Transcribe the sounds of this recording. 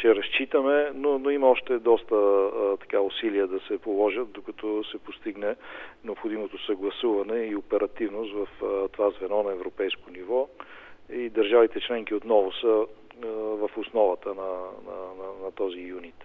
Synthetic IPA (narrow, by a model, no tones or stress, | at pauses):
t͡ʃɛɾɐst͡ʃit̪əmɛnonoimɐɔʃt̪ɛd̪ɔst̪ət̪ɐ̥kaʊsiliəd̪ɐsɛpolˠɔʒət̪̚d̪okɐt̪ɔsɛpost̪iɡnɛnɛopxod̪imot̪osɐɡlˠɐsuvɐnɛiopɛɾɐt̪ivnʊst̪vɐft̪ovazvɛnɔnɐɛvɾopɛjskonivɔ | id̪ɐɾʒavit̪ɛt͡ʃlɛŋkiot̪nɔvosə | vɐfʊsnɔvət̪ənɐnɐnɐnɐt̪ɔzijunit̪